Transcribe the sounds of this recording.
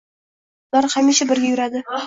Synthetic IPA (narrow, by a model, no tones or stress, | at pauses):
d̪̥ɒɾhamiʃabɪɾɡʲajʊɾad̪ɪ